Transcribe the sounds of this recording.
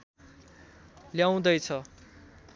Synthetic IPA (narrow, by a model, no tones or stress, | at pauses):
ljaw̃d̪ʌjt͡sʰʌ